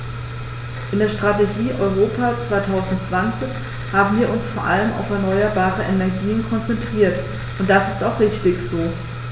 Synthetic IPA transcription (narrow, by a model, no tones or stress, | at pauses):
ʔɪndeːɐʃtʁ̥ateɡiːʔɔʏʁoːpat͡sv̥aɪtʰaʊzn̩tt͡sv̥ant͡sɪç | haːbm̩viːɐʊnsfoːɐʔaləmʔa̰ʊfɛɐnɔʏɐbaːʁəʔɛnɛɐɡiːənkʰɔnt͡sɛntʁ̥iːɐt | ʔʊnt̚d̥asɪstaʊχʁ̥ɪçtɪçz̥oː